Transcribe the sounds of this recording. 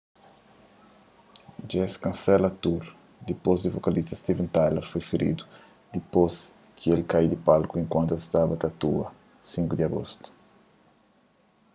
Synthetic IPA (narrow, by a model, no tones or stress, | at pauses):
d͡ʒɛskɐ̃nsɛlɐt̪uɾ | d̪ipozd̪ivokalist̪ɐst̪ivẽnt̪ajlɐɾfojfiɾḭd̪u̥ | d̪ipos | kʰielkajd̪ipalkuẽŋkwãnt̪uest̪avɐt̪at̪uɐ | sĩŋkud̪iaɡo̰st̪u̥